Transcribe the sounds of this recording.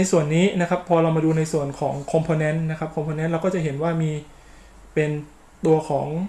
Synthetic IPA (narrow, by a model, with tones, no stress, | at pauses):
na˧jsu˨˩ənːiː˦˥na˦˥kʰa˦˥pʰːɔː˧ɾa˧wmaː˧duː˧na˧jsu˨˩ənkʰɔː˩˦ŋkʰo˧mpʰoː˧nɛ˦˥nna˦˥kʰa˦˥p̚kʰo˧mpʰoː˧nɛ˦nɾa˧wkɔː˥˩t͡ɕa˨˩ɦe˩˦nwaː˥˩miː˧ | pe˧n | t̪u˧ɐkʰɔː˩˦ŋ